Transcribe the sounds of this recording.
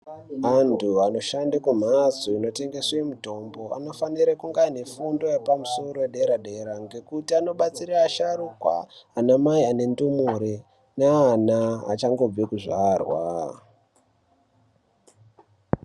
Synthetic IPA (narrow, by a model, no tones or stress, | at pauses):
antʰuano̞ʃandakum̤azoino̞te̞ŋɡe̞swemuto̞mbo̞a̰no̞faniɾekuŋɡane̞fundo̞jepamuso̞ɾoeɗe̞ɾaɗe̞ɾaŋɡe̞kutiano̞ɓat͡siɾaːʃaɾukwa̰anamaiane̞ndumuɾe | naːnaa̰t͡ʃaŋɡo̞b͡vekuʐaːrwa̰